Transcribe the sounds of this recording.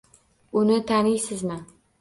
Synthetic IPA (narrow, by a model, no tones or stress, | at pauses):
ʊnɪt̪ʰanɪjsɪzmɪ